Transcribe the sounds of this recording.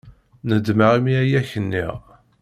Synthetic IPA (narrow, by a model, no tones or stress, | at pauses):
nəd̪məʁimiæjæçənːḭʁ